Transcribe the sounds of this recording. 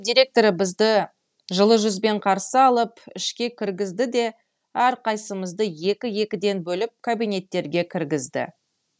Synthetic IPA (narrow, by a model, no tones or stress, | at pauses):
d̪iɾʲe̞k̚t̪o̞ɾəbɪzd̪ɪ | ʒəlˠəʒʏzbe̞ɴqʰɑɾsəɑlˠəpɪ̰ʃkʲe̞kʲʰɪɾɡʲɪzd̪ɪd̪e̞ | æɾqʰɑjsəməzd̪əje̞kʲɪje̞kʲɪd̪e̞nbɵlɪp̚kʰabijne̞t̪ːe̞ɾɡʲe̞kʲʰɪɾɡʲɪzd̪ɪ̰